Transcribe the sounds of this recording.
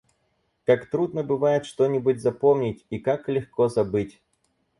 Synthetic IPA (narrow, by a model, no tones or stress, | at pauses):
kakt̪ɾud̪nəbɨvajɪt̪ʂt̪onʲɪbʊtʲzɐpomnʲɪtʲikaklʲɪxkɔzɐbɨtʲ